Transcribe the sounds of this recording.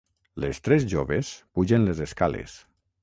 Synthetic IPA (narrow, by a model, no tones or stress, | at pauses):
lest̪ɾezʒoβespuʒenlezeskalḛs